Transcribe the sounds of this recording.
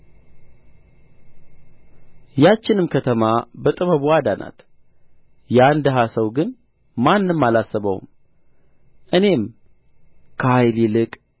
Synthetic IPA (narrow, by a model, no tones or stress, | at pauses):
jat͡ʃːɪnɨmkʰət̪ʰəmabət̪ʼɨβəβuad̪anʔa̰t̪ | jand̪əɦasəwɡɨn | manːɨmːalasːəβə̰w̰m | ʔɨne̞m | kʰəhajlilɨkʼ